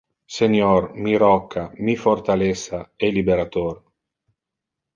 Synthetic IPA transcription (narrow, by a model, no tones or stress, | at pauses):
seɲormiɾɔkʰːamifort̪alesaɛlibeɾat̪or